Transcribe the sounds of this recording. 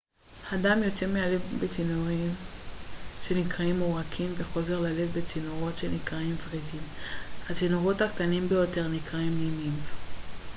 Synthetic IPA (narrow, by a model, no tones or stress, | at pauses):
hadamjo̞te̞ʁmealebet͡sinoʁim | ʃe̞nikʁaimoʁakʰimve̞χo̞ze̞ʁlale̞vbet͡sinoʁo̞tʃe̞nikʁaimvʁidimhat͡sinoʁo̞thakt̪animbejo̞te̞ʁnikʁaimlimim